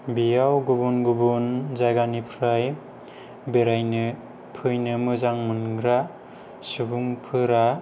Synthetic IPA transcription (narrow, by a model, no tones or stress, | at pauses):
bijawɡubunɡubunzajɡanipʰɾaj | beɾajnɯ | pʰɯjnɯmɯzaŋmɯnɡɾa | subuŋpʰɯɾa